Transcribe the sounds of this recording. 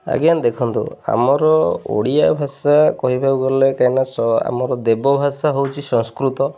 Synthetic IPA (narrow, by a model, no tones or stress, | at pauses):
a̰ɡijand̪ekʰɔnt̪ṵa̰mɔɾɔo̰ɽiabʱasakɔɦibʱabuɡɔlekajnasɔa̰mɔɾɔd̪ebɔbʱasaɦowt͡ʃʰisɔŋskɾut̪ɔ